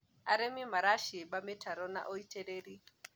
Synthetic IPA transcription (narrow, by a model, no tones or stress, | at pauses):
aɾɛmimaɾaʃiɛɓamɛtʰaɾɔna̰ʔɔitʰɛɾeɾi